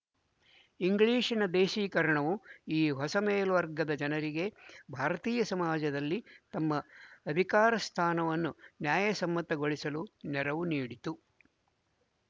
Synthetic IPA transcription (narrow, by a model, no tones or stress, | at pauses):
iŋɡɭiːʂinɐd̪eːʃiːkɐɾɐɳɐʋuiːɦɔsɐmeːlʋɐɾɡɐd̪ɐd͡ʒɐnɐɾiɡe̞bʱaːɾɐt̪iːjɐsɐmaːd͡ʒɐd̪ɐlːit̪ɐmːɐːd̪ʱikaːɾɐst̪ʰaːnɐʋɐnːunjaːjɐsɐmːɐt̪ɐɡo̞ɭisɐlunɛɾɐʋuniːɽit̪u